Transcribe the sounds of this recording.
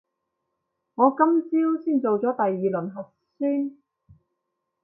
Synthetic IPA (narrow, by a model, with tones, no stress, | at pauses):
ŋɔː˨˧kɐ˥mt͡siː˥wsiː˥˩nt͡so˨wt͡sɔː˨˥t̪ɐ˨jːiː˨lɵ˨˩nɦɐ˨t̚syː˥n